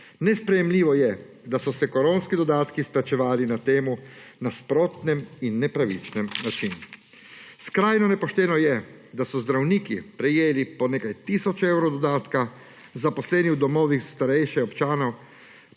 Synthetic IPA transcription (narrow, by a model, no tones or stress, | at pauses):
nɛspɾɛjɛmliːʋɔjɛ | d̪asɔsɛkɔɾoːnskid̪ɔd̪aːt̪kisplɛt͡ʃɛʋaːlinat̪eːmunaspɾoːt̪nɛminːɛpɾaʋḭt͡ʃnɛmnat͡ʃin | skɾaːjnɔnɛpɔʃt̪ɛːnɔjɛ | d̪asɔzd̪ɾawniːkipɾɛjeːlipɔneːkajt̪isɔt͡ʃɛwɾɔd̪ɔd̪aːt̪ka | zapɔslɛːniwd̪ɔmɔːʋixst̪aɾɛjʃɛɔpt͡ʃaːnɔw